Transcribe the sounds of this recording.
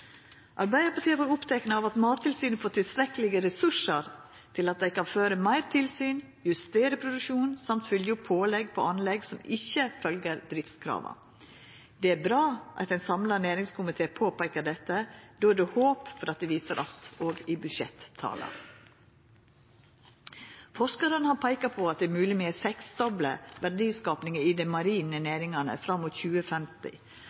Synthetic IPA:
ʔɑɾbæɪəɾpɑʈt̪ʰiːəʋoːɾʊpt̪ʰɛknəɑʋɑt̪mɑːt̪ʰːɪlsyːnfoːʈ̪ɪlst̪ɾɛkəlɪɡəɾɛsʉʂəɾ | t̪ʰɪlɑt̪̚d̪ɛɪkɑnføːɾəmæɪɾt̪ʰɪlsyːn | jʉst̪eːɾəpʰɾʊd̪ʉʂuːnsɑmt̪fʏljəʊpʰːoːlɛɡpʰɔ̰ɑnlɛɡsɔmɪçːəfœlɡəɾd̪ɾɪft̪skʰɾɑ̰ːʋɑ̰ | d̪ɛæɾbɾɑːʔɑ̰t̪ɛɪnsɑmlɑneːɾɪŋskʰʊmɪt̪ʰeːpʰoːpʰæɪkəɖɛt̪ːəd̪oːæd̪ʉhoːpfɔɾɑt̪̚d̪ɛʋiːsəɾʔɑt̪oːɡɪbʉʃɛt̪ʰːɑ̰ːlə̰n | fɔʂkɑɾənəhɑɾpʰæɪkɑpʰɔːɑt̪̚d̪ɛmʉːlɪmeːɾsɛksd̪ɔbləʋæɾɖiːskɑːpnɪŋəɪd̪ɛmɑɾiːnəneːɾɪŋɑnə̰fɾɑmːuːt̪çʉːəfɛmt̪ɪ̰

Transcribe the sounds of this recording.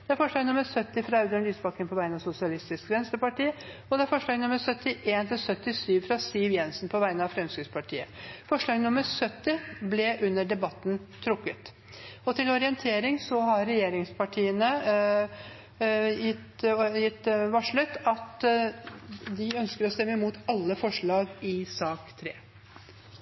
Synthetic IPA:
d̪̥ɛæɾfɔʂɭɑːɡnʊmːəɾsœt̪ːɪfɾɑɑʉd̪ʉnliːsbɑkːənpʰɔʋæɪnɑsʊsɪɑlɪst̪ɪskʋɛnst̪əpɑʈiː | ɔd̪ɛæɾfɔʂɭɑːɡnʊmːəɾsœt̪ːɪʔeːnt̪ʰɪlsœt̪ːɪsyːʋfɾɑsɪʋjɛnsn̩pʰɔʋæɪənɑʋfɾɛmskɾʉspʰɑʈʰḭːə̰fɔʂɭɑːɡnʊməɾsœt̪ːɪblɛʔʉnːəɖɛbɑt̪ːn̩t̪ʰɾʊkːət̪ | ɔt̪ʰɪlɔɾɪənt̪ʰeːɾɪŋsɔɦɑɾɾɛjeːɾɪŋspʰɑʈʰiːənə | jɪt̪jɪt̪ːʋɑʂɭʉt̪ːɑt̪ | d̪ɪœnskəɾɔst̪ɛmːəɪmuːt̪ʰɑlːəfɔʂɭɑːɡɪsɑːkt̪ʰɾeː

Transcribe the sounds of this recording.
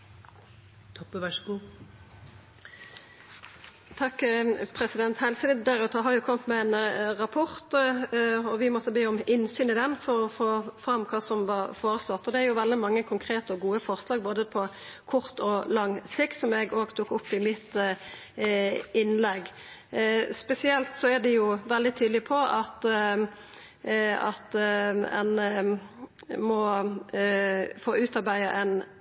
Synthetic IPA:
t̪ʰɔpːəʋæʂɡu | t̪ʰɑkːpʰɾɛsɪd̪ɛnt̪hɛlsəlɪd̪d̪æʁʉːt̪əɦɑɾjʊkʰɔmt̪mɛɛnʁɑpʰɔʁt̪ | ɔʋɪmɔt̪ːəbeːɔmɪnsyːnɪd̪ɛnfɔɾɔfoːfʁɑmːkʰɑːsɔmʋɑʁfoːɾəslɔt̪ːɔd̪ɛæɾjʊʋɛld̪ɪmɑŋːəkʰʊŋkʰɾeːt̪əɔɡuːəfɔʁslɑːɡ̚boːd̪əpʰɔ | kʰʊʁt̪ɔlɑŋːsɪkt̪sɔmɛɡoːɡt̪ʰuːkʊpːɪmɪt̪ | ɪnːlɛɡː | spɛsɪɛlt̪sɔæd̪ɛjʊʋɛld̪ɪt̪ʰyːd̪lɪpʰɔʔɑt̪ | ɑt̪ɛ̰n | mɔ | foːʉːt̪ɑɾbæɪəʔɛn

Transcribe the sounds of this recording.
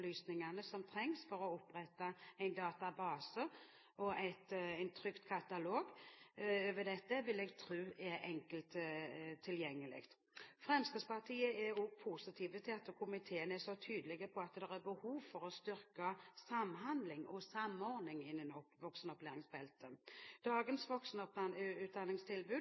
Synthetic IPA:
lyːsnɪŋɑnəsɔmt̪ʰɾɛŋsfɔɾɔɔpːɾɛt̪ːɑæɪnd̪ɑːt̪ɑbɑːsə | ʔɔæɪt̪æɪnt̪ʰɾʏkt̪kʰɑt̪ɑloːɡ | øːʋəd̪ɛt̪ːəʋɪlɛɡt̪ʰɾʉːɛʔɛŋkəlt̪t̪ʰːɪljɛŋːəlɪ̰ɡt̪ | fɾɛmskəspɑʁt̪ʰiːəɛɔɡpʰusɪt̪ʰiːʋət̪ʰɪɑt̪ːəkʰʊmɪt̪ʰeːənəɛsɔt̪ʰyːd̪əlɪɡəpʰɔɑt̪d̪ɛʁɛbəhuːʋfɔɾɔst̪ʏɾkəsɑmːɦɑnd̪lɪŋɔsɑmːɔɾd̪nɪŋɪnːənɔʋɔksənɔpleːɾɪŋsbɛlt̪əd̪̥ɑːɡənsʋɔksənɔp̪ʉːt̪̚d̪ɑnːɪŋst̪ʰɪlbʉː

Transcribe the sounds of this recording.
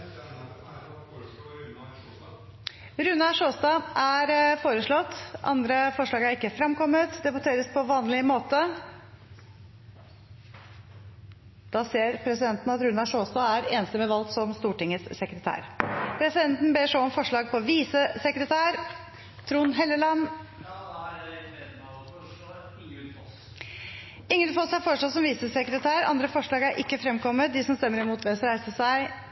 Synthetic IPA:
ɾʉnɑʂoːst̪ɑːʔæɾfoːɾəʂɭɔt̪ːʔɑ̰nd̪ɾəfɔʂɭɑːɡæɾɪkːəfɾɑmkɔmːət̪d̪ɛbʉt̪ʰeːɾəspʰɔʋɑːnlɪmoːt̪ə | d̪̥ɑːseːɾpʰɾɛsɪd̪ɛnt̪n̩ɑt̪ɾʉnɑʂoːst̪ɑːæɾeːnsəmɛʋɑlt̪sɔmst̪uːʈɪŋːəsːɛkɾət̪ʰæ̰ːɾpʰɾɛsɪd̪ɛnt̪n̩beːʂoɔmfɔʂɭɑːɡ̚pʰɔʋiːsəsɛkɾət̪ʰæːɾ | t̪ʰɾuːnɦɛlːəlɑn | ɪŋːəlfɔshɑfɔːʂɑsɔmʋiːsəsɛkɾət̪ʰæːɾɑ̰nd̪ɾəfɔʂɭɑːɡæɾʔɪkːəfɾɛmkʰɔmːət̪̚d̪ɪsɔmst̪ɛmːəɾɪmuːt̪ʋɛsɾæɪsəsæɪ

